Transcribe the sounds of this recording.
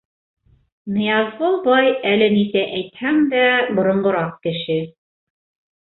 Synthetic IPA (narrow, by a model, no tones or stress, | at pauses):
nɤ̆jɑzʁobɑjælɘnisæʔæjt̪hæŋd̪æbŏɾŏɴɢŏɾɑq̚kɘ̆ʃɘ